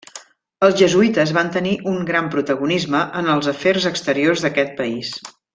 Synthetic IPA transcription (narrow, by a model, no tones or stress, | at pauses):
əlˠzʒəzuit̪əzβant̪əniʔuŋɡɾampɾut̪əɣunizməʔənəlˠzəfɛrzəkst̪əɾiorzðəkɛt̪̚pəis